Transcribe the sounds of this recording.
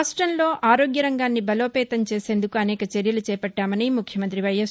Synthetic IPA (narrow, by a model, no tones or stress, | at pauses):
sʈɾɐnlo̞ːʔaːɾo̞ːɡjɐɾɐŋɡaːnːibɐlo̞ːpɛːt̪ɐmt͡ʃeːse̞ːnd̪ukuɐnɛːkɐt͡ʃeɾjɐlut͡ʃɛːpɐʈːaːmɐniːmukʰjɐmɐnt̪ɾiʋɐjɐs